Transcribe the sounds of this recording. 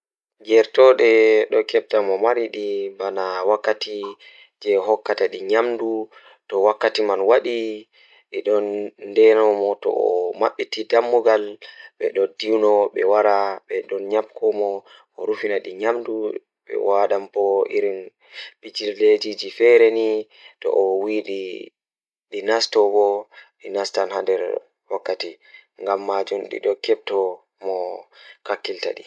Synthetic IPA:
ɡɛɾtɔɗɛɗɔkɛb̚tamɔmaɾiɗibanawakːati | d͡ʒɛɦɔkːataɗiɲamdu | tɔwakːatimanwaɗi | ɗɛɗɔndɛnɔmɔtɔ̰ɔmaɓːitidamːuɡalɓɛ̰ɗɔdiwnɔɓɛ̰waɾaɓɛɗɔnɲapkʰɔmɔ | ʔɔɾufinaɗiɲamdu | ɓɛ̰waːɗampɔʔḭɾin | bid͡ʒiɾled͡ʒid͡ʒifɛɾeni | tɔ̰ʔɔwiɗi | ɗinastɔbɔɗinastanhandɛɾ | wakːati | ŋɡamːad͡ʒumɗḭɗɔkɛb̚tɔ | mɔkakːilta̰ɗḭ

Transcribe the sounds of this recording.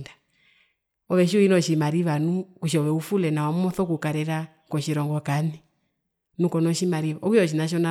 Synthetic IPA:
da | ɔβɛʃiɔinɔʃimaɾiβanukuʃ̬ɔβɛufulɛnawamumɔθɔkukaɾɛɾa | kɔʃiɾɔŋɡɔkani | nukɔnɔʃimaɾiβaɔkuʃɔʃinaʃɔna

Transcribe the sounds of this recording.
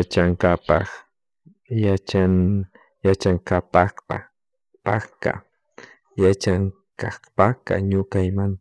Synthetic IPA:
jat͡ʃaŋkapɑ̰χ | jat͡ʃa | jat͡ʃaŋkapɑta̰ | pɑχka̰ | jat͡ʃaŋ | kɑχpɑkɑ̰ɲʊkajman

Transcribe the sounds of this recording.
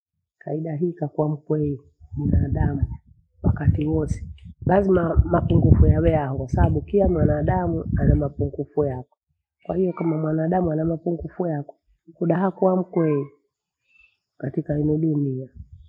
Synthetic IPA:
kaiɗaɦiːkakuwam̩kwɛi | ɓinaːɗamu | wakatiwɔsɛ̥lazimamapuŋɡufujawɛahɔkwasaɓaɓukilamwanaːɗamuanamapuŋɡufujakɔ̥ | kwahijɔkamamwanaːɗamuanamapuŋɡufujakɔ̥ | kuɗaɦakuwam̩kwɛi | katikainuɗunia

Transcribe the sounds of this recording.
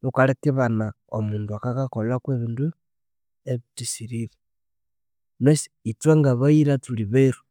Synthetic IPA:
nukalekiβana | omuːnduakakakolwakweβiːndu | eβitisiɾiɾe | nesi̥itweŋɡaβaiɾatuliβeɾu

